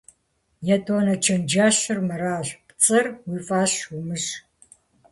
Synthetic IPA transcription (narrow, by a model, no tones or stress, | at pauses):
jɐtʰʼoːnɐt͡ʃʰɐnd͡ʒaːɕɨrmɨɾaːɕpt͡sʼɐrwiːfʼaːɕwumɨɕ